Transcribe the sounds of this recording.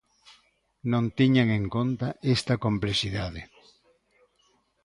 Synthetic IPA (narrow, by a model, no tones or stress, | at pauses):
nõnt̪iɲaŋeŋkõnt̪aʔest̪ɐkomplesiðað̞e